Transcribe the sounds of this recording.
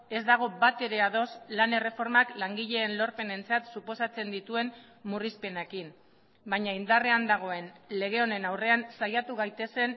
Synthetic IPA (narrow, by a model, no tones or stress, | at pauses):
e̞zd̪aɣ̞o̞bat̪e̞ɾe̞aðo̞slane̞re̞fo̞ɾmaklaŋɡiʎe̞ːnlo̞ɾpe̞ne̞nt͡sat̪supo̞sat͡se̞nd̪it̪ue̞m | murispe̞nekin | baɲaind̪areand̪aɣ̞o̞e̞nle̞ɣ̞e̞o̞ne̞nawre̞ansajat̪uɣ̞ajt̪e̞se̞n